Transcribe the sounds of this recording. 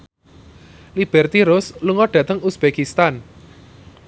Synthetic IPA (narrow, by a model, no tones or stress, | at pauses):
lib̥ɛrt̪iɾʊsluŋɔɖ̥ä̤t̪əŋusb̥ekist̪an